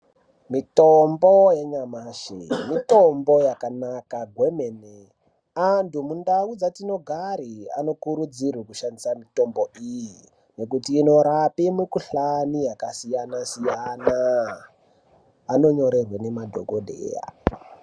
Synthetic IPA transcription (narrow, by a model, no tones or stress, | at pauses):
mitomboje̞ɲamaʃḛmitombo̞jakanakaɡʱwemene | antumundaud͡zatino̞ɡʱaɾia̰no̞kuɾud͡zirwikuʃandisamito̞mbo̞ʔiji | ne̞k̬utiːno̞ɾapimekuɬanijakasijanasijana | no̞ɲo̞ɾe̞rwene̞madʱo̞̰ɡodʱḛja̰